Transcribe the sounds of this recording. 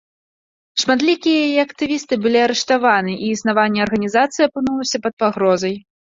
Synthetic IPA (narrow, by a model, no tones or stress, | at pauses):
ʂmad̪lʲikʲijɐjajɛɐkt̪ɨvʲist̪ɨbɨlʲiɐɾɛʂt̪avanɨʔiːsnavanʲːɛɐrɣɐnʲizat̪sɨjɐpɨnulˠɐsʲɐpɐt̪̚paɣɾɔzɐj